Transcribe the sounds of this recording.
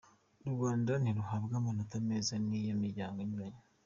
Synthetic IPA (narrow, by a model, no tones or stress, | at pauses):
ɾuɡaːndaniɾuɦaβɡamonutameːzanijamiɾɟaːŋɡoɲuβaɲa